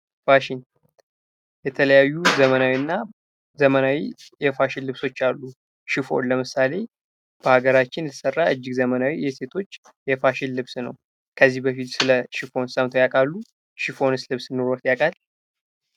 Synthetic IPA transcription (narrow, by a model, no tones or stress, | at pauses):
faʃin | jɛt̪ʰələjajːuzəmənawiɨnːa | zəmənawijɛfaʃɪlːɨβso̞t͡ʃːalːu | ʃɪfo̞̰nləmɨsale̞ | b̥əhaɡəɾat͡ʃːɪnlsərːaʔɨd͡ʒːɪɡzəmənawijɛse̞t̪ʰo̞t͡ʃː | jɛfaʃɪnlɨβsnə̰w | kʰəzːihbəfit̪sɨləʃɪfo̞nsəmt̪ʰojakʼalːu | ʃifo̞nɨslɨβsɨnːoɾot̪jakʼal